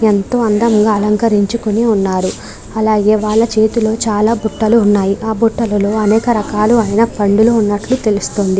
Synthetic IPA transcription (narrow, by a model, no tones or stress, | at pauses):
ent̪o̞ːɐnd̪ɐmɡaːɐlɐŋkɐɾiɲt͡ʃukoniunːaːɾu | ɐlaːɡe̞ːʋaːɭːɐt͡ʃe̞ːt̪ilo̞ːt͡ʃaːlaːbuʈːɐluːnːaːjiʔaːbuʈːɐlɐlo̞ːɐnɛːkɐɾɐkaːluaːjnɐpɐɳɖuloːunːɐʈlut̪e̞lust̪o̞ːnd̪i